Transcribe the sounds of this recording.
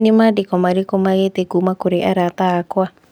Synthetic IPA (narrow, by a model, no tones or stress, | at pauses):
nemadekɔmaɾekomaɣetekuːmakoɾeʔaɾatakwa